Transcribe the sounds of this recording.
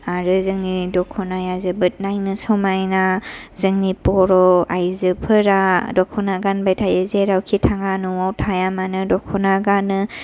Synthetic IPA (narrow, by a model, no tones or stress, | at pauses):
aɾɯzɯŋnidɔkʰɔnajazɯbɯt̚najnɯsɔmajnazɯŋnipɔɾɔajzɯpʰɯɾadɔkʰɔnaɡanbajtʰajɯzeɾawkʰitʰaŋanuwawtʰajamanɯdɔkʰɔnaɡanɯ